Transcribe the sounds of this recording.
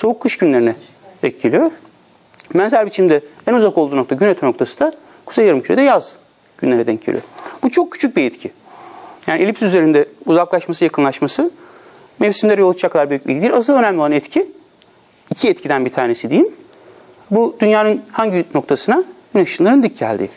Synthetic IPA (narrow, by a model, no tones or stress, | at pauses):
so̞ukʰːɯʃɟynlʲeɾinɛ | ɛc̪̚cʰːilʲijoɾ | mænzæɾʲbit͡ʃʰimd̪ɛænuzakolˠd̪uːnot̪ʰaɟynet̪ʰɛnokt̪ʰasɯ̥d̪a | kʰu̥sejaɾɯmcʰyɾed̪ɛjaz̥ | ɟ̥ynlʲe̞ɾɛd̪ɛcʰːḭlʲḭo̰ɾbut͡ʃʰo̞k̚cːʰy̥t͡ʃʰyc̚biɛt̪cʰi | jaːnielʲipsiyze̞ɾind̪ɛuzaklˠaʃmasɯjakʰɯnlˠaʃmasɯ | mefsimd̪ʲeɾɛjolˠt͡ʃt͡ʃakʰːaaɾbyjyc̚bḭːid̪ilʲas̬ɯlˠønæmlʲoanɛt̪cʰiː | cʰiɛt̪cʰid̪ænbit̪ʰaːnesid̪ijim | bud̪ynjaːnɯnhaɲɟino̞k̚t̪ʰasɯnaɟynaʃɯnlˠaɾɯnd̪yc̚ːæ̰lʲd̪ḭː